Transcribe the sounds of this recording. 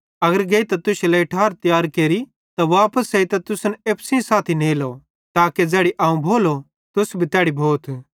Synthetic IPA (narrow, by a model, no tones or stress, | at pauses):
ɐɡəɾɡeit̪ɐt̪ʊʃelɛɪʈʰaːɾt̪ɪjaːɾkeːɾi | t̪aʋaːpəsɐit̪ɐt̪ʊsneːpsĩsaːt̪ʰineːlo | t̪aːked͡zɛːɽiʔaːũbʱoːlo | t̪ʊsbʱit̪ɛːɽibʱoːt̪ʰ